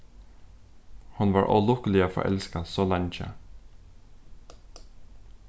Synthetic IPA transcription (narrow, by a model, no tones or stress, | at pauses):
hʊnʋɑːɹʔɔ̰lʊkəlɪoːfɔ̰ʔɛ̰lskɑsoːlɑɲçə̰